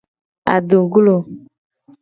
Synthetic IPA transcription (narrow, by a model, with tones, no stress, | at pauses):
a̰˨do˨ɡu˦lo˨